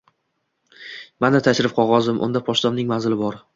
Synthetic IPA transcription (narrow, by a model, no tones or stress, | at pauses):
manat̪ʰaʃɾɪfqʰɒʁɒzd̪ɪmʔʊ̰nd̪apʰɒʃt̪ɒnnɪŋmanzɪlɪbɒɾ